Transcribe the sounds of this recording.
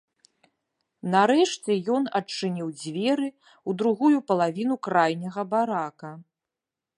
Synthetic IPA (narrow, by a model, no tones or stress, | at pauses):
nɐɾɛʂt͡sʲɛjɔnɐt͡ʂːɨnʲiwd͡zʲvʲɛɾɨ | ud̪ɾuɣujupɐlˠavʲin̪ukɾajnʲɐɣɐbaɾakɐ